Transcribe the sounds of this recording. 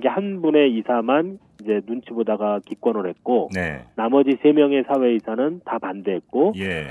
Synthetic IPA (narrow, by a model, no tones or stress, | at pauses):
ɡehanbune̞isʰaman | id͡ʑe̞nunt͡ɕʰibodaɡakik͈wʌnɯɭhe̞t̚k͈onnamʌd͡ʑisʰe̞mjʌŋe̞sʰawe̞isʰanɯntapandeɦet̚k͈oj